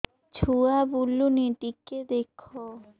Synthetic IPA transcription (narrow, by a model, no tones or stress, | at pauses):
t͡ɕʰuabulːuniʈikːed̪ekʰːo